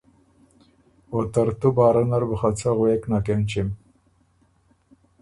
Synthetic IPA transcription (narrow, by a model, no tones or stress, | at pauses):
ot̪aɾt̪ubaːɾanaɾbəxat͡saɣweknakemt͡ʃim